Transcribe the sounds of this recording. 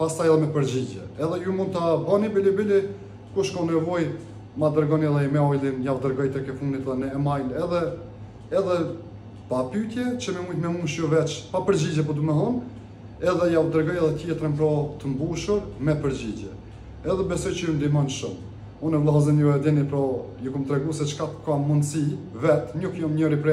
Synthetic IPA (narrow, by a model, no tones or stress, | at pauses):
past̪ajɛðɛmɛpəɾd͡ʑid͡ʑɛ̰ɛðɛjumund̪̚t̪abɔnibilibili | kuʃkɔnɛvɔj | mad̪əɾɡɔniɛðɛmɛɔjlˠinjawd̪əɾɡɔjt̪ɛkɛfund̪it̪ðɛnəɛmajlɛðɛː | ðɛ | papyt̪jɛt͡ʃəmɛmujt̪mɛmunʃjɔvɛt͡ʃpapəɾd͡ʑid͡ʑɛp̬ɔd̪uməθɔn | ɛðɛjawd̪əɾɡɔjɛðɛt̪jɛt̪ɾəmpɾɔt̪əmbuʃuɾmɛpəɾd͡ʑid͡ʒɛː | ðɛbɛsɔjt͡ʃəjund̪imɔnʃum | unɛvlˠaɦzɛnjɔɛd̪ɛnipɾɔjukumt̪ɾɛɡusɛt͡ʃkat̪kamund̪sivɛt̪ɲukjɔmɲɔɾipɾɛ